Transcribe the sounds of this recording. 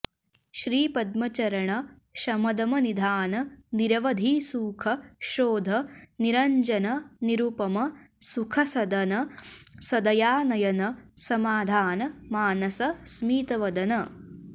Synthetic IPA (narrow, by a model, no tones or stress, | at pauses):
ʃɾiːpɐd̪̚mɐt͡ʃɐɾɐɳɐ | ʃɐmɐd̪ɐmɐnid̪ʱaːnɐniɾɐʋɐd̪ʱiːsuːkʰɐʃoːd̪ʱɐniɾɐɲd͡ʒɐnɐniɾupɐmɐsukʰɐsɐd̪ɐnɐsɐd̪ɐjaːnɐjɐnɐsɐmaːd̪ʱaːnɐmaːnɐsɐsmiːt̪ɐʋɐd̪ɐnɐ